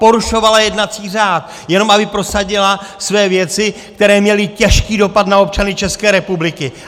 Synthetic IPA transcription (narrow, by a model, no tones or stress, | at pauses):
po̞ɾuʃo̞valajɛdnat͡siːr̝aːt̪ | jɛno̞mʔabɪpɾo̞saɟɪlasvɛːvjɛt͡sɪkt̪ɛɾɛːmɲɛlɪcɛʃkiːdo̞pat̪nao̞p̚t͡ʃanɪt͡ʃɛskɛːɾɛpublɪkɪ